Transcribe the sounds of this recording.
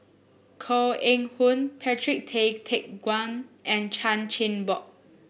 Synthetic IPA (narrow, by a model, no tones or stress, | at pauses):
kʰɔẽŋhũnpʰɛtɹik̚tʰektʰek̚ɡwãnɛ̃nt͡ʃʰãnt͡ʃĩnbɔk̚